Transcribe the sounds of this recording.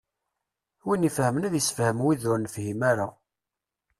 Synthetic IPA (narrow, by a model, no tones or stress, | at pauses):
winifhəmənæðjəsfhəmwiðʊɾnfhimaɾa